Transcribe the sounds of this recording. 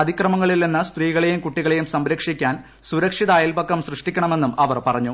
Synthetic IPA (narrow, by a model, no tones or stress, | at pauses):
ɐd̪ʱikrɐmɐŋːɐɭilninːɨst̪riːɣɐɭe̞jumkuʈːiɣɐɭe̞jumsɐmɾɐkʂikʲːaːn | suɾɐkʂiðaːjilbɐkːɐmsrɨʂʈikʲːɐɳɐme̞nːumɐʋɐrpɐrɐɲːu